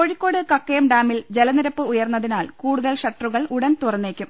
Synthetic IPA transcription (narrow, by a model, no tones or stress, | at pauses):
koɻikʲːo̞ːɽɨkɐkːɐjɐmɖaːmild͡ʑelɐniɾɐpːɨujɐrnːɐðinaːlkuːɽuðɐlɕɐʈːɐruɣɐɭʔuɽɐnt̪urɐnːe̞ːkʲːum